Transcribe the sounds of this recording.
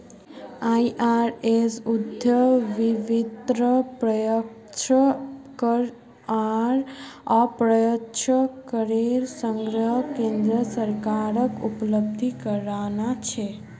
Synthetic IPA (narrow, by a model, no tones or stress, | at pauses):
aiʔaɾesud̪ʱjəʋiʋid̪ɾəpɾəjək | ʃəkəɾ | aɾapɾəjətʃəkəɾeɾsəŋɡɾəɦkẽnd̪ɾəsəɾkaɾəkupləb̚d̪ʱikəɾʋanat͡ʃʰe